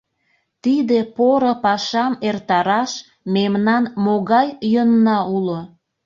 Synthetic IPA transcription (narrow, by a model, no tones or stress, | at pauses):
t̪id̪epoɾopɑʃɑmert̪ɑɾɑʃ | memnɑnmoɣɑjːənːɑulo